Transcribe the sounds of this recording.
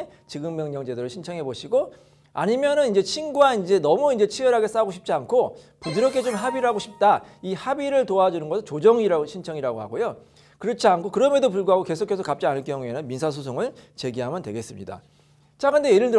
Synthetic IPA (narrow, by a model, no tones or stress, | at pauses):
t͡ɕiɡɯŋmjʌŋɲʌd͡ʑe̞dɯɾɯɭɕʰint͡ɕʰʌŋɦe̞boɕʰiɡo | a̰ɲimjʌnɯnind͡ʑe̞t͡ɕʰinɡuaind͡ʑe̞nʌmuind͡ʑe̞t͡ɕʰiwʌɾɦaɡe̞s͈aɡoɕʰip̚t͡ɕ͈iankʰo | pudɯɾʌkʰe̞t͡ɕomɦabiɾɯɭɦaɡoɕʰip̚t͈aihabiɾɯɭtoad͡ʑunɯnɡʌsʰɯɭt͡ɕod͡ʑʌŋiɾaɡoɕʰint͡ɕʰʌŋiɾaɡoɦa̰ɡojo | kɯɾʌt͡ɕʰiankʰokɯɾʌme̞dopuɭɡuɦaɡoke̞sʰokʰe̞s̬ʰʌkap̚t͡ɕ͈ianɯɭk͈jʌŋue̞nɯnminsʰas̬ʰusʰoŋɯɭt͡ɕe̞ɡiɦamjʌntwe̞̰ɡe̞s͈ɯmɲḭda̰ | t͡ɕakɯndejeɾɯɭtɯ